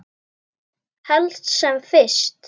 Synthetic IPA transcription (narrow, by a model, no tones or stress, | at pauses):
hɛlt̪sɛmfɪst̪